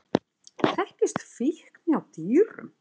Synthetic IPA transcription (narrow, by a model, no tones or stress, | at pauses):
θɛhcɪst̪fihkniawt̪iːɾʏ̰m